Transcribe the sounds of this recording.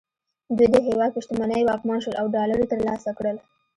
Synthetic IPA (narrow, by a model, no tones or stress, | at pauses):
d̪ujd̪əɦewɑd̪̚piʃt̪əmanəjwɑkmɑnʃwəlʔawɖɑlaɽit̪əɾlɑsakɽəl